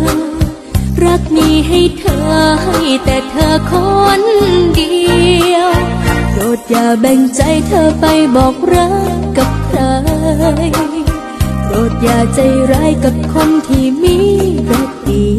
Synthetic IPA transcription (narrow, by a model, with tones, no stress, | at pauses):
ɾa˦˥k̚niː˧˩ɦa˧˩jt̪ʰɤː˧˩ha˧˩jt̪ɛː˨˩t̪ʰɤː˧kʰɔ˦˥ndi˧əwt̪oː˨˩t̪̚jaː˨˩bɛ˨˧˩ŋt͡ɕa˧jt̪ʰɤː˧˩pa˧jbɔː˨˩k̚ɾa˦˥kkːa˨˩p̚taː˧j | t̪oː˨˩t̪̚jaː˨˩k̚t͡ɕa˧jɾaː˧˥jka˨˩p̚kʰo˧nt̪ʰiː˧˩miː˧˥bɛː˧˩k̚diː˨˩